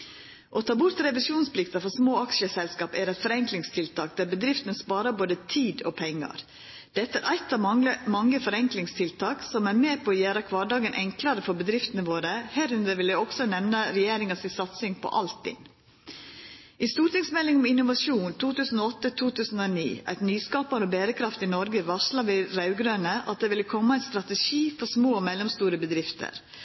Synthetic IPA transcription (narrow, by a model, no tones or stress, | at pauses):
ʔɔt̪ʰɑːbʊɾt̪ɾɛʋɪsuːnspʰlɪkt̪ɑfɔɾsmoːɑkʃəsɛlskɑːpæɾɛt̪fɔɾɛŋklɪŋst̪ʰɪlt̪ʰɑːk̚d̪æːɾbəd̪ɾɪft̪ənəspɑːɾɑboːd̪ət̪ʰiːd̪ɔpʰɛŋːɑ̰ɾ | d̪̥ɛt̪ːəæɾʔæɪt̪ːɑəmɑŋːəfɔɾɛŋklɪŋst̪ʰɪlt̪ʰɑːksɔmæɾmeːpʰɔɔjæːɾɑkʰʋɑːɖɑːɡənʔɛŋklɑɾəfɔɾbəd̪ɾɪft̪ənəʋoːɾəhæːɾʉnd̪əɾʋɪljæɪɔɡ̥sɔnɛmnəɾɛjeːɾɪŋɑsɪsɑt̪sɪŋpʰɔ̰ʔɑ̰lt̪ɪ̰ŋ | ʔɪst̪uːʈ̪ɪŋsmɛlːɪŋɔmɪnʊʋɑʂuːnt̪ʰuːt̪ʉːsən̩oːɔt̪ːət̪ʰuːt̪ʉːsən̩oːnḭːæ̰ɪt̪nyːskɑːpɑɾobeːɾəkʰɾɑft̪ɪnɔɾɡəʋɑʂlɑʋɪɾɑʉɡɾøːnəʔɑ̰t̪̚d̪eːʋɪlːəkʰɔmːɑæɪt̪st̪ɾɑt̪əʂiːfɔʂmoːmɛlːɔmst̪uːɾəbəd̪ɾɪft̪ʰə̰ɾ